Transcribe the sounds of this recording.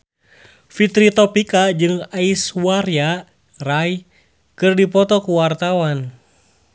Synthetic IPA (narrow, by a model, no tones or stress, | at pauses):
fit̪ɾit̪ɔpikad͡ʒɨŋaisuwaɾja | raj | kɨrdipɔt̪ɔkuwart̪awan